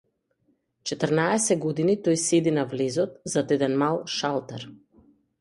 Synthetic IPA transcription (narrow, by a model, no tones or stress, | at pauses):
t͡ʃɛt̪əɾnaɛsɛɡɔd̪init̪ɔjsɛd̪inavlɛzɔt̪zad̪ɛd̪ɛnmalˠʃalˠt̪aɾ